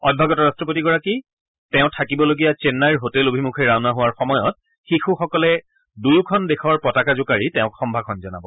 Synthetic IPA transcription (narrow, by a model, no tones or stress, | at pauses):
ɔd̚bʱaɡɔtɔɹastɹɔp̬otiɡɔɹaki | tɛʊ̃tʰakibɔloɡijat͡ʃenːaɹɦotɛlobʱimukʰeɹaʊnaɦʊwaɹxɔmɔjɔt̚ | xixuxɔkɔlɛ | dujukʰɔndexɔɹpɔtakazʊkaɹitɛ̃ʊ̃kxɔmbʱakʰɔnzɔna̰bɔ